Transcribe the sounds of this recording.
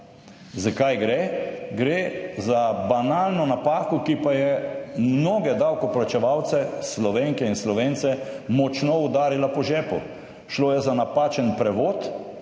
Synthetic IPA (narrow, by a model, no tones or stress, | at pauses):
zakajɡɾeɡɾeːzabanaːlnɔnapaːkɔkipajɛmmnoːɡɛd̪awkɔplat͡ʃɛʋawt̪sɛslɔʋeːŋkɛinslɔʋeːnt̪sɛmɔt͡ʃnɔud̪aːɾilapɔʒɛːpɔ̰ | ʃloːjɛzanapaːt͡ʃɛnpɾɛʋoːt̪